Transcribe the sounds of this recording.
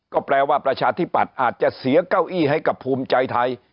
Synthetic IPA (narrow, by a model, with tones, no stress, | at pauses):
kɔː˥˩pɾɛː˧waː˥˩pɾa˧t͡ɕʰaː˧t̪ʰiː˦˥˩pːa˨˩t̪̚ʔaː˨˩t̪̚t͡ɕa˨˩si˩˦ɐka˥˩wʔiː˥˩ɦa˥˩jka˨˩pʰːuː˧mt͡ɕa˧jt̪ʰa˧j